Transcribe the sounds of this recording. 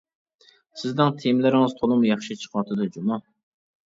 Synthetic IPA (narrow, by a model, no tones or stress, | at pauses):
sɪzd̪ɪŋt̪ʰijmlɪɾɪŋɨz̥t̪ʰolˠɨmjɑχʃɪt͡ʃʰə̥qwɑt̪ʰɨd̪ɨd͡ʒumɑ